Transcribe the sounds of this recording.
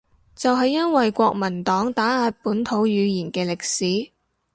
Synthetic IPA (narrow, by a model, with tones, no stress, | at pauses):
t͡sɐ˨wɦɐ˨jːɐ˥nwɐ˨jkʷɔː˧k̚mɐ˨˩nt̪ɔː˨˥ŋt̪aː˨˥aː˧t̚puː˨˥nt̪ʰo˨˥wjyː˨˧jiː˨˩nkɛː˧lɪ˨k̚siː˨˥